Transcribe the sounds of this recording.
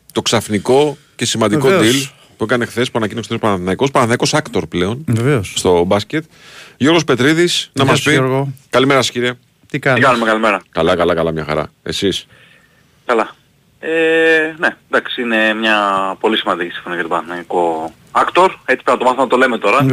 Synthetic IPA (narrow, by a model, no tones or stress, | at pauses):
t̪o̞ksɐfniko̞ | ce̞simɐnd̪iko̞d̪il | puekɐne̞xθe̞spuɐnɐcinosθesopɐnɐθnɐiko̞spɐnɐθnɐiko̞sɐkt̪o̞ɾple̞o̞neveosst̪o̞bɐscet̪̚ | ʝo̞ɾɣospe̞t̪ɾiðisnɐmɐs̬piɾɣokɐlime̞ɾɐse̥ciɾie | t̪ikɐikɐnumekɐlimeɾɐkɐlɐkɐlɐkɐlɐmɲɐxɐ̰ɾɐ̰e̞̰sis | kɐlɐ | enend̪ɐksiine̞mɲɐpo̞lisimɐnd̪icisi̥ɱfo̞niɐjɐt̪opɐnɐθnɐiko | ɐkt̪o̞ɾe̞t͡si̥pnɐt̪omɐθumnɐt̪o̞le̞met̪o̞ɾɐ